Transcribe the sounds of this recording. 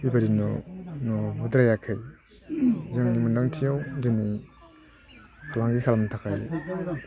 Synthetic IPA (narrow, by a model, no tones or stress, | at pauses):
bibaɾinɔ̰nɔbudɾajakʰɯj | zɯŋnimundaŋtʰijawdɯni | kʰalaŋɡikʰalamtʰakʰaj